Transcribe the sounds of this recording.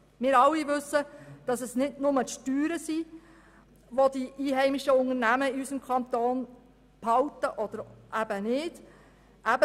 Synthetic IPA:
mɪːɾɑlːiʋɵsːəd̥ɑsɛsnɪdnʊmətʃtyːɾəsi | ʋodiʔiːɦɛɪmɪʃəʊŋəɾnæməɪysəmkʰɑnt̪oːn | phɑltəʔɔd̥̪əɾʔæbənɪd̥ | ʔæbə

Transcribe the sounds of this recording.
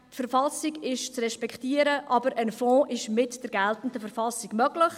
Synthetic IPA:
tfəɾfɑlsiɡɪʃt͡srɛʃpɛkχtiəɾəʔɑbəɾʔənfɔ̃ːʔɪʃmɪtd̥ɛɾɡɛltən̩dəfəɾfɑlsɪɡ̥mœɡlɪχ

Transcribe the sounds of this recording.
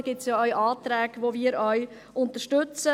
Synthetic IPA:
ɡ̥ɪtsjaːœɥʔɑːt̪ɾɛːɡ̥ʋoːviːɾœɥ | ʔʊnt̪əʃtʏt͡sə

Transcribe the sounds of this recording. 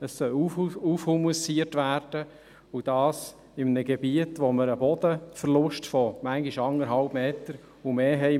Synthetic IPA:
əsːœlufhumuəsiərtʋæːrd̥ə | ud̥ɑːs | ɪmnəɡebiətʋoməɾəbɔd̥̪əfəɾlʊʃtfɔmæŋɡiʃɑŋəɾɦɑlb̥meːtəɾ | umeːɦɛɪ

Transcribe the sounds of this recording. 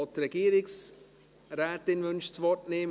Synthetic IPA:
t̪ɾeɡiːɾɪks | ɾæːt̪ːɪnʋʏnʃt͡sʋɔtneːm

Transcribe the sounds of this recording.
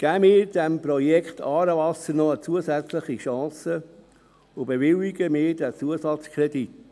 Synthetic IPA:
ɡ̥æːmɪːɾd̥ɛmprɔjɛkχtʰɑːɾəvɑsəɾnɔət͡suəsæt͡slɪχiʃɑ̃ːsə | ʊbeʋɪliɡəmɪːɾdɛt͡suəsɑt͡skʰrɛdit

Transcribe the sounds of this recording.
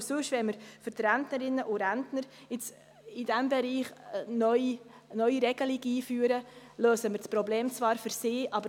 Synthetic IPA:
sʉʃvɛməɾfʏɾtɾæntnəɾɪnːəʔʊɾæntnəɾ | ɪt͡s | ɪd̥ɛmbɛɾiːχnœʏi | nœʏiɾɛɡ̥əlɪɡiːfyːɾəløːsəməɾt͡spɾobleːmt͡svɑːɾfʏɾsɪːʔɑbə

